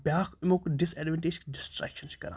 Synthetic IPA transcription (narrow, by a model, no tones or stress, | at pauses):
bʲjaːxɪmõkɖɪsɛːɖʋɛɳʈeːd͡ʒkɖɪsʈɾɛ̰kʃənt͡ʃkɐ̰ɾã̰ː